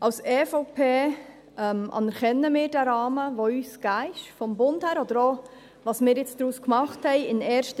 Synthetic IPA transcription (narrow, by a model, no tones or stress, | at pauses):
ʔɑwsɛːfopʰeː | ɛmɑ̰nəɾχɛnːəmɪːɾdæɾɑːməʋoyːsɡ̥æːɪʃfɔmbʊnthæːɾɔd̥əɾo | ʋɑːsmɪːɾjɪt͡sd̥ɾuːskmɑχthɛɪɪnɛːɾʃt